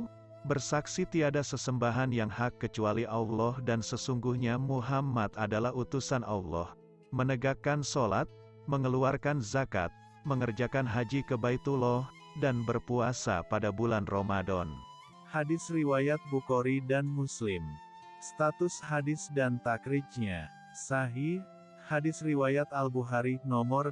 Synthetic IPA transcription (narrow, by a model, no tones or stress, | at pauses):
bərsaksit̪iadasəsəmbaɦanjaŋhakːət͡ʃualiʔawlɔhdansəsuŋɡuhɲamuɦamat̪adalahut̪usana̰wlːɔ̰h | mənəɡakansola̰t̪̚ | məŋəluarkanzaka̰t̪̚ | məŋərd͡ʒakanɦad͡ʒikəbait̪ulɔ | danbərpuasa̰padabulanromadɔn | hadɪsriwajat̪̚bukoɾidanmuslɪm | st̪at̪ʊshadɪsdant̪akɾɪt͡ʃ̚ɲa | saɦi | hadɪsriwajat̪albuɦaɾinɔmɔr